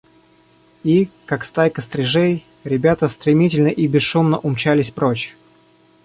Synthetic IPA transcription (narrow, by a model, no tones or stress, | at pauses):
ikakst̪ajkəst̪ɾʲɪʐej | ɾʲɪbʲat̪əst̪ɾʲɪmʲitʲɪlʲnəʔibʲɪsʂumnəʔʊmt͡ɕalʲɪsʲpɾot͡ɕ